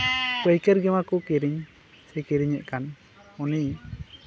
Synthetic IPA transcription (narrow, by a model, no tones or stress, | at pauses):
kəjkɛɾɡɛmakɔkɛɾiɲ | sɛkɛɾiɲɛʔ̪̚ˀkan | uni